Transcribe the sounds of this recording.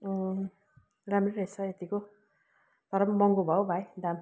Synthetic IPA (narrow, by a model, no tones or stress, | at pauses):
ramreɾʌjt͡sʰʌet̪iko | t̪ʌɾʌmmʌŋɡobʱʌwbʱajd̪am